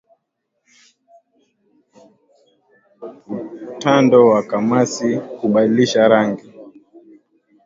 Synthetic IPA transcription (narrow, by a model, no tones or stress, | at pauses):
utandɔwakamasihuɓadiliʃaɾaŋɡi